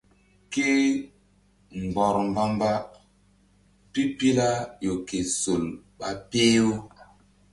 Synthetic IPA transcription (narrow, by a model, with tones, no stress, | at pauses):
ke˦ | m˨bɔ˨ɾmba˦mba˦ | pi˦pi˦la˦jo˨ke˨so˨lɓa˨peː˦wo˦